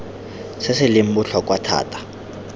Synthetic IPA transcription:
sɪsɪlɪm̩bʊɬʰɔkʼwatʰa̰ːtʰʼḁ

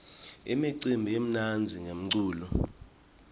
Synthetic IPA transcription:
ɛ̰miǀimbʱiem̩nand͡zʱiŋʱem̩ǀuːlɔ

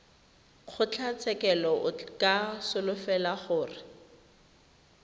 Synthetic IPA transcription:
χʰʊt͡ɬʰat͡sʰɛkɛlɔʊkasʊlʊfɛlaχʊːrɪ

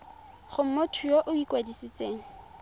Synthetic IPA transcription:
χʊm̩motʰʊjoʔʊikʼwadisɪt͡seːŋ̩

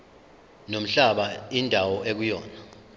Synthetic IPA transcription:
nom̩ɬaɓaindʱawɔʔek̬ujɔːna

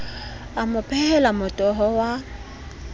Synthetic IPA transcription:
amʊpʼʰɛhɛlamʊtʼɔɦɔwa

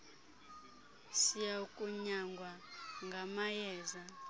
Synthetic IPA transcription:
sijaukʼuɲaŋɡʱwaŋɡʱamajɛːza

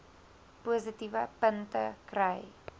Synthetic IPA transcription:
puəzitivəpəntə̰krəj

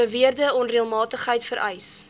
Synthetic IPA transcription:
əviərdəɔnriəlˠmɑːtəχɦəjtfəɾʔɛjs

